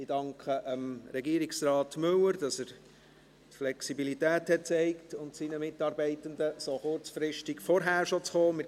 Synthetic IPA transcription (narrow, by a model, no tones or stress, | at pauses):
idɑŋkʰχəʔəmɾɛɡiːɾiksrɑːtmɵwəɾd̥ɑsæːɾ | tflɛksibilitæːthɛt̚t͡sɛɪktʊntsinəmɪtɑːɾbɛɪtəndəsoχʊɾt͡sfɾɪʃtiɡfɔɾɦæːɾʃot͡sχoːmɪ